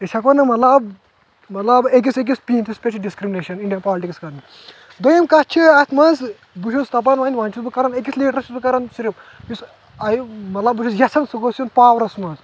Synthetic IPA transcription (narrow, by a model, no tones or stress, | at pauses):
eʃʰɐkʋɐnɐmɐt̪lɐb | mɐt̪lɐbek̬ʲisek̬ʲispint̪ʰispʲet͡ʃʰɖiskɾimineʃɐniɳɖijɐnpaːlʈikskɐɾɐn | d̪ojimkɐt͡ʃʰiɐt̪ʰmɐz | buʃʰust̪ɐp̬ɐnʋaːnʲʋaːnt͡ʃʰusbɨkɐɾɐnek̬ʲisleːʈɾɐt͡ʃʰʲusbɨkɐɾɐnsiɾib | jus | ɐjimɐt̪lɐbːuʃʰusjɐsɐnsuɡosjunpaːʋɐɾɐsmɐz